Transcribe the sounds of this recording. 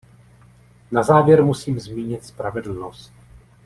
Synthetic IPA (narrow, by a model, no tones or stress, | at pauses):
nazaːvjɛɾmusiːmzmiːɲɪt̪spɾavɛdl̩nost̪̚